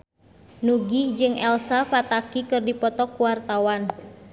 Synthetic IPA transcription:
nuɡid͡ʒɨŋʔɛlsafat̪akikɨrdipɔt̪ɔkuwart̪awan

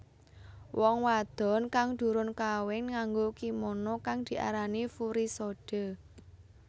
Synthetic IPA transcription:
wɔŋwad̪̥ɔ̤nkaŋd̪̥ṳɾʊnkawɪŋŋaŋɡokimɔnɔkaŋd̪̥i̤ʔa̰ɾanifuɾisoɖ̥ə̤

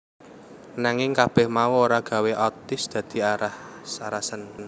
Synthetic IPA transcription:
naŋɪŋkab̥ɛhmauoɾaɡ̥a̤weʔɔt̪ɪsd̪̥ä̤d̪̥i̤aɾahsaɾahsənn

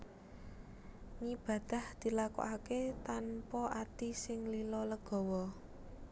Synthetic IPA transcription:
ŋib̥ä̤d̪̥a̤hd̪̥i̤lako̰ʔaket̪anpɔʔat̪isɪŋlilɔləɡ̥ɔ̤wɔ

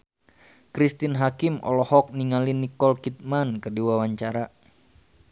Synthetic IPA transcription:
kɾist̪inɦakimʔɔ̰lɔhɔk̚niŋalinikɔlkit̪̚mankərdiwawaɲt͡ʃaɾa

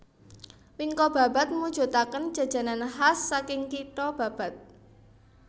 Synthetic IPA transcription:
wiŋkɔb̥ä̤ba̤t̪̚mud̥ʒ̥o̤t̪akən̥d͡ʒ̥a̤d̥ʒ̥ä̤nanhasːakɪŋkiʈɔb̥ä̤b̥a̤t̪̚

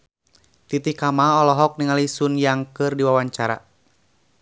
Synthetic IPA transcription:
t̪it̪ikamaɔlɔɦɔk̚niŋalisunjaŋkɨrdiwawaɲt͡ʃaɾa̰

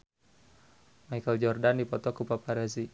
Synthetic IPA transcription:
majkəld͡ʒɔrdandipɔt̪ɔkupapaɾɛzi

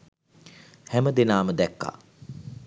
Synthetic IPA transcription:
hæməd̪enaːməd̪ɛkːa̰ː

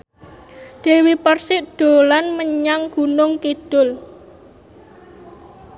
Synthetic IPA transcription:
d̪̥e̤wipərsɪʔd̪̥o̤lanməɲaŋɡ̥ṳnʊŋkid̥ʊl

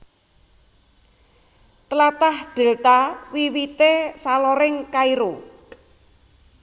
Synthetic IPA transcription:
t̪əlat̪ahd̪̥e̤lt̪awiwit̪esalɔɾɪŋkaiɾo

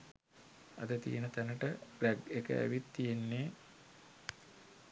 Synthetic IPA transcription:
a̰d̪ət̪ḭjenət̪ænəʈəblæɡekə̰ʔæ̰ʋit̪ːijenːeː

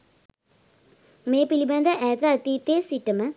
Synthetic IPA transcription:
meːpilibɐnd̪əʔɛːt̪at̪it̪eːsiʈːəmə

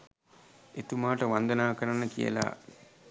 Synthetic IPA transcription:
et̪umaːʈəʋand̪ɐnaːkəɾanːəkijə̰la̰ː

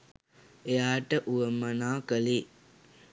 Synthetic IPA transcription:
ejaːʈəʔuʋəmːənaːkəli

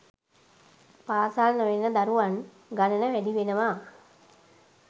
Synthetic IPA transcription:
paːsalnoʋenːəd̪aɾuʋan | ɡanənəʋæd̪iʋenəʋa

